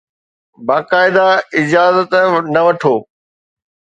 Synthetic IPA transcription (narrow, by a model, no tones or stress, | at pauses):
baːkaːɪd̪aɪd͡ʒaːzət̪nɐʋɐʈʰoː